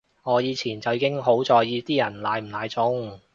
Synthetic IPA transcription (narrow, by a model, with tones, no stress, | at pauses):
ŋɔː˨˧jiː˨˧t͡sʰiː˨˩nt͡sɐ˨wjiː˧˥ɪ˥ŋɦo˨˥wt͡sɔː˨˧jjiː˨˧t̪iː˥jɐ˨˩nlaː˨˧jm̩˨˩laː˨˧jt͡sʊ˨˧˥ŋ